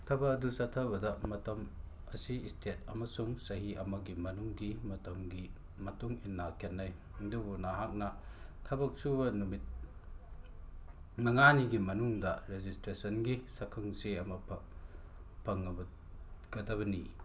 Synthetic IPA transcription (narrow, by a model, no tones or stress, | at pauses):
tʰɐbɐɐdusɐtʰɐβɐdɐmɐtɐm | ɐsistʰet̚ɐmɐsuŋsɐɦiɐmɐɡimɐnuŋɡimɐtɐmɡi | mɐtuŋinːakʰenːɐj | dubunɐɦak̚nɐtʰɐbɐk̚subɐnumit̚ | nɐŋaniɡimɐnuŋdɐɾezistɾesɐnɡisɐkʰɐŋseɐmɐ | pʰɐŋːɐbɐ | ɡ̥ɐdɐβɐni